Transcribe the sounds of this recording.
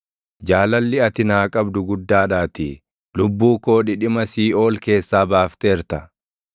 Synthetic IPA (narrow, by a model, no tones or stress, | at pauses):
d͡ʒaːlɐlːɪɐt̪ɪnaːkʼɐbd̪ʊɡʊd̪ːaːᶑaːt̪i | lʊbːuːko̞ːᶑɪᶑɪmɐsiːo̞ːlke̞ːsːaːbaːft̪eːɾt̪ɐ